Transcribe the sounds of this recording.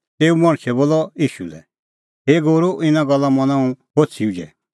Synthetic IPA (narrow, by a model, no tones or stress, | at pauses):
t̪eːumɐɽ̃t͡ʃʰɛboːlɔiːʃulɛ̰ | ɦeːɡoːɾoʔɪnãɡɐlːamɐnãũɦoːt͡sʰiud͡ʒɛ̰